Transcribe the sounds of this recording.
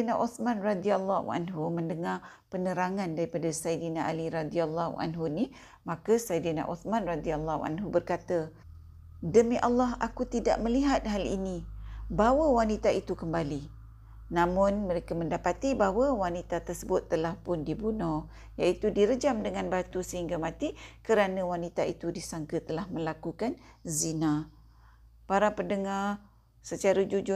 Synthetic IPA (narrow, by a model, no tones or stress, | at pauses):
naʔɔsmãnradialːahṵʔa̰nɦuməndəŋa | pənəɾaŋãndaɾipadasajdinaʔaliɾadialːahṵʔa̰nɦuni | mãkasajdina̰ʔɔsmãnradialːaɦṵʔa̰nɦubərkat̪ə | dəmiʔalːaɦakut̪ida̰ʔ̚mə̃liɦat̪̚ɦalḭnibawəwanit̪ait̪ukəmbali | nãmʊnməɾekamə̃ndapat̪ibaɦwəwanit̪at̪ərsəbʊt̪ːəlahpʊndibunɔh | jaʔit̪udiɾəd͡ʒamdəŋanbat̪usəɦiŋɡamãt̪ikəɾanə̃wanit̪ait̪udisaŋkət̪əlahmə̃lakukanzina | paɾapəndəŋar | sət͡ʃaɾəd͡ʒud͡ʒʊ